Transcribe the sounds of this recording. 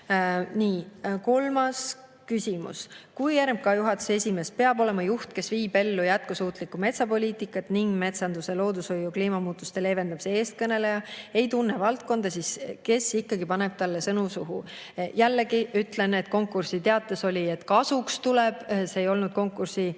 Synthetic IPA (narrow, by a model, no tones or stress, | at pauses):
niːko̞lmɑs | kysʲimṵskujæɾmb̚kɑjuɦɑt̪ːˑu̥sesʲime̞spe̞ɑbo̞le̞mɑjuht̪̚ke̞sviːbe̞lːujæt̪̚kusuːt̪likːˑume̞t̪sɑpo̞liːt̪ˑikːˑɑt̪niŋɡme̞t̪sɑnd̪̥use̞lo̞ːd̪usho̞jːukliːmɑmuːt̪ːˑust̪e̞le̞ːve̞nd̪ɑpsee̞ːst̪̚kɤne̞le̞jɑe̞jt̪unːevɑlt̪̚ko̞nd̪̥ɑsiske̞sikːɑɡipɑne̞b̥̚t̪ɑlːe̞sɤnusuɦṵ | jælːeɡiyt̪le̞net̪̚ko̞ŋkːˑursit̪e̞ɑt̪ːˑeso̞lʲie̞t̪kɑsukst̪ulɛb̥se̞ːjo̞lnud̪̥̚ko̞ŋkːˑursi